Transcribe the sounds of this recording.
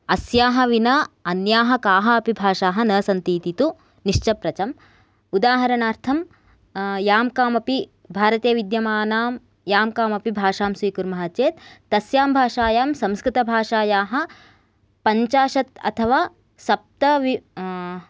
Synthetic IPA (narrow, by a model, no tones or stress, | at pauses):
ɐsjaːɦɐʋinɐɐnjaːɦɐkaːɦɐɐpibʱaːʂaːɦɐ̆nɐːsɐnt̪iːt̪it̪u | niʂt͡ʃɐpɾɐt͡ʃɐm | ud̪aːɦɐɾɐnaːɾt̪ʰɐm | jaːmkaːmɐpi | bʱaːɾɐt̪eːʋid̪jɐmaːnaːm | jaːmkaːmɐpibʱaːʂaːmsʋiːkuɾmɐɦɐtt͡ʃeːt̪ːɐsjaːmbʱaːʂaːjaːmsɐmskɾit̪ɐbʱaːʂaːjaːɦɐ̆ | pɐɲt͡ʃaːʃɐt̪ɐ̰t̪ʰɐʋaː | sɐp̚t̪ɐʋi